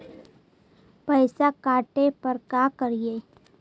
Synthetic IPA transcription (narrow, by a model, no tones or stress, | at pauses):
pəɪsakaːʈepəɾkaːkəɾieː